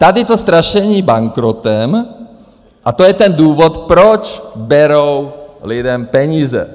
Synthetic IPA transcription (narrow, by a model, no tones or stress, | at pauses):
t̪ad̪it̪ost̪ɾaʃɛɲiːbaŋkɾɔt̪ɛm | ʔat̪ojɛt̪ɛnd̪uːvɔt̪pɾɔt͡ʃbɛɾowlid̪ɛmpɛɲiːzɛ̰